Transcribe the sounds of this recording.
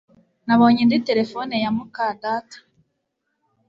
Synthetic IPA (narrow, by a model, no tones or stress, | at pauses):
naβo̞ːɲendite̞ɾe̞fonejamukadaːtḁ